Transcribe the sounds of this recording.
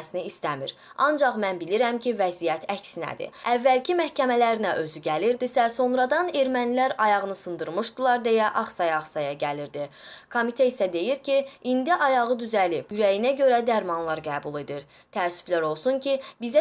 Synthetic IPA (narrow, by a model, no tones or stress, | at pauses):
siniːst̪æmiɾ | ɑ̰nd͡ʒɑχmænbiliɾæmcʰivæzijæt̪ʰæcsinæ̰d̪ḭævːælcʰimæhcʰæmælæɾinæʔø̞zyɟæliɾd̪isæso̞nɾɑd̪ɑne̞ɾmænilæɾɑjɑʁɯnɯsɯnd̪ɯɾmɯʃd̪ɯlˠɑɾd̪e̞jæʔɑχsɑjɑːχsɑjɑɟæliɾd̪i | kʰo̞mit̪ʰeisæd̪e̞jiɾcʰiind̪iʔɑjɑʁɯd̪yzælib̥yɾæjinæɟøɾæd̪æɾmɑnlˠɑɾɡæːbulˠe̞d̪iɾ | t̪ʰæːsy̥flæɾo̞lˠsuncʰibizæ